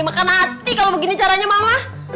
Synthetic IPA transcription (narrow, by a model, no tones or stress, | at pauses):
makanat̪ikalobəɡinit͡ʃaɾaɲamamah